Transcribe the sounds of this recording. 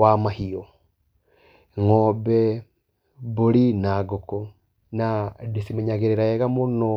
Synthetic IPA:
wamahiɔ | ŋɔbɛ | boɾinaɡoko | nadesimɛɲaɣeɾeɾaɛɣamonɔ

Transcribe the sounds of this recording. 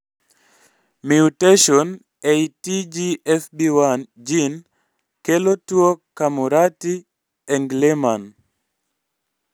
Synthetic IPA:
miuteʃɔn | ejtid͡ʒiɛfbiwand͡ʒin | kelotwokamuɾati | ɛŋɡleman

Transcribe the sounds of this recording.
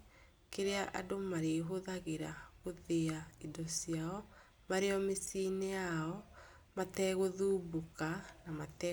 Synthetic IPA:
keɾeaʔa̰domaɾeɦoðaɣeɾaɣoðeaidɔsiaɔ | maɾeɔmesiːnejaɔ | matɛɣoðuːbukanamatɛ

